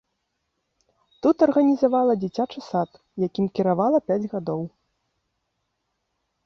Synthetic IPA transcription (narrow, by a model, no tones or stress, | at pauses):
t̪ut̪ɐrɣɐnʲizavalˠɐd͡zʲit͡sʲat͡ʂɐsat̪ | jakʲimkʲiɾavalˠɐpʲad͡zʲɣad̪ɔw